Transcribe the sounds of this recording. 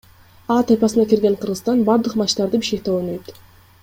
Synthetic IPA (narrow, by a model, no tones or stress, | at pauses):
ɑːt̪ʰajpɑsɯnɑkiɾɡeɴqʰɯɾʁɯst̪ɑnbɑɾd̪ɯqmɑt͡ʃt̪ɑɾd̪ɯbiʃkek̚t̪eonøjt̪